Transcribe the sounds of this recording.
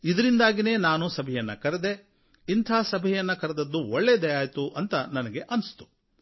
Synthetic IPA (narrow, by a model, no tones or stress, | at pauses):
id̪ɐɾind̪aːɡine̞ːnaːnusɐbʱɛjɐnːɐkɐɾed̪e̞ | int̪ʰaːsɐbʱɛjɐnːɐkɐɾed̪ɐd̪ːuɔɭːed̪ɐjaːjt̪uʔɐnt̪ɐnɐnɐɡeʔɐnst̪u̥